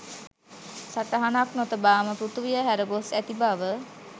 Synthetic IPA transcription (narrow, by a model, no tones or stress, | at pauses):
saʈəɦanaknot̪əbaːməpɾut̪uʋijəɦæɾəɡosæt̪ibaʋə